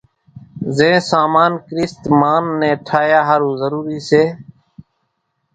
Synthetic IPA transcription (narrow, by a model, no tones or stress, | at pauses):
zẽːsaːmaːnkɾɪst̪maːnːẽːʈʰaːjaːɦəɾũːzəɾuːɾiːseː